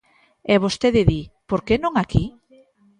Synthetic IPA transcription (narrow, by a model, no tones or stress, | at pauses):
ɛβost̪eðeðipoɾkenõŋaki